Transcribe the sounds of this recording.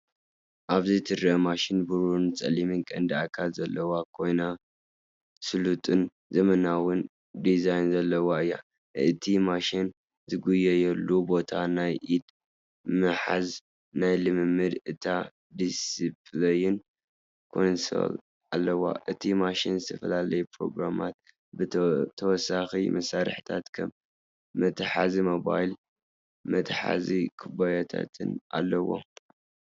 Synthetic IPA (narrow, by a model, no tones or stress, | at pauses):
ʔaβzɨt̪ʰɨɾʔɐmaʃinbuɾunt͡sʼɐ̰limɨnkʼɐnd̪iakʰalzɐlːɐwakʰo̞jna | sɨlut̪ʼɨn | zɐmɐnawʊn | d̪izajnzɐlːɐwaɨjːa̰ | ɨt̪ʰimaʃin | zɨɡujːɛjɛlːubo̞t̪ʰanajʔid̪ | mɨħa̰z | najlɨmɨmːɨd̪ɨt̪ʰa | d̪isiplɐjɪn | kʰo̞nso̰l | alːɐwa̰ʔɨt̪ʰimaʃinzɨt̪ʰɐfɐlalɐjpɾo̞̰ɡɾamat̪̚ | bt̪ʰɐwɔsːaximɐsaɾɨħɨ̥t̪ʰat̪kʰɐm | mɐt̪ʰħazimo̞ba̰jl | mɐt̪ʰħa̰zikʰɨbajat̪ʰa̰t̪ʰɨna̰lːɐwo̰